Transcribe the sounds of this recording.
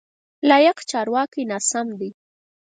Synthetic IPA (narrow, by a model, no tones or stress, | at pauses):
lɑjaqt͡ʃɑɾwɑkinɑsamd̪i